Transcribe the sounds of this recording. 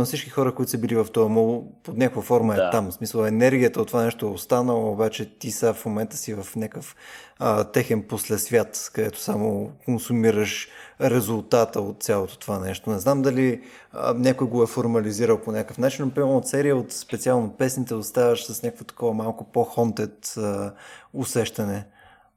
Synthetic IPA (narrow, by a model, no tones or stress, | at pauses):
nɐfsit͡ʃkixɔɾəkoit̪ʊ̥səbilivɐft̪ɔvɐmɔlˠood̪nʲakojəfɔɾməɛt̪amsmisəlˠɛnɛɾɡʲijət̪əot̪ːvovanɛʃt̪oɛost̪anəlˠəobat͡ʃɛt̪isafmomɛnt̪ə̥sivɐfnʲakəfət̪ɛxɛnposlɛsvʲjat̪kɐd̪ɛt̪o̥samokonsumiɾəʃɾɛzʊlˠt̪at̪əot̪̚t̪sʲjalˠot̪o̥t̪ovanɛʃt̪onɛznamd̪ɐli | ə̰nʲakojɡoɛfoɾmɐliziɾəlˠponʲakəfnat͡ʃinopɾiot̪sɛɾijəot̪spɛt̪sialˠnopɛsnit̪ɛost̪avəʃsɐsnʲakəkvot̪ɐ̥kɔvəmalˠkʊpoxɔnt̪ɛt̪əʊsɛʃt̪ɐnɛ